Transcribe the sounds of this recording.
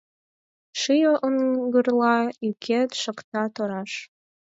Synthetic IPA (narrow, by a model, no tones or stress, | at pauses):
ʃɨjoʔəŋɡərlɑykʰet̪ʃə̆kt̪ɑt̪oɾɑʃ